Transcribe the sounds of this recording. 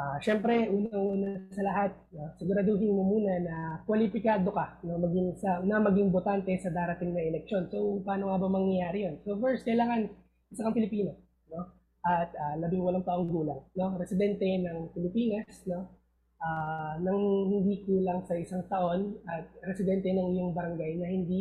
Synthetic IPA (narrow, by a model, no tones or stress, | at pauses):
ʔaʃɛmpɾɛʔuːnɐŋʔuːnɐsɐlɐɦat̪̚no̞sɪɡʊɾɐd̪oɦɪnmomuːnɐnɐkwɐlɪpɪkaːd̪o̞kɐnɐmɐɡɪŋsɐnɐmɐɡiŋbot̪ant̪ɛsɐd̪aːɾɐt̪iŋnɐɛlɛk̚ʃo̞nso̞wpaːnoŋabɐmɐŋjɐjaːɾɪjonso̞fɛɹskɐɪlaːŋɐn | ʔɪsɐkɐŋpɪlɪpiːno | no̞ | ʔɐt̪̚ɐlɐbɪŋwɐlaŋt̪ɐʔo̞ŋɡuːlɐŋno̞ɾɛsɪd̪ɛnt̪ɛnɐŋpɪlɪpiːnɐsno̞ | ʔaːnɐŋhɪnd̪ikuːlɐŋsɐʔɪsaŋt̪ɐʔo̞nʔɐt̪̚ɾɛsɪd̪ɛnt̪ɛnɐŋɪjoŋbɐɾɐŋɡajnɐhɪnd̪i